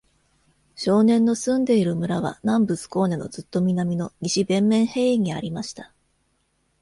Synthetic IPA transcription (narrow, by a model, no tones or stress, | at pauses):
ɕo̞ːnẽ̞nːo̞sɨ̃nd̪e̞iɾɯ̟mɯ̟ɾaβ̞a̰nãmbɯ̟sɨ̥ko̞ːne̞no̞d͡zɨt̪ːo̞mʲinamʲino̞ɲiɕibẽ̞mːẽ̞ɰ̃he̞ːiɲ̟iaɾʲimaɕi̥t̪ḁ